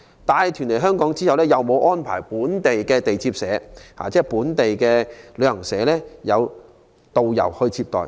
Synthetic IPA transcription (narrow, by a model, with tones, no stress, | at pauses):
t̪aː˨˧jt̪ʰyː˨˩nle˨˩jɦœː˥ŋkɔː˨˥ŋt͡siː˥hɐ˨wlɛː˥jɐ˨wmo˨˧wʔɔː˥npʰa̰ː˨˩jpuː˨˥nt̪e˨jkɛː˧t̪e˨jt͡siː˧p̚sɛː˨˥ha̰ː˨t͡sɛː˥˩puː˨˥nt̪e˨jkɛː˧lːhɐ˨˩ŋsɛː˨˧˥lɛː˥jɐ˨˧w | t̪o˨wjɐ̰˨˩whɵ˧ɥt͡sʰiː˧p̚t̪ɔ̰ː˨˩j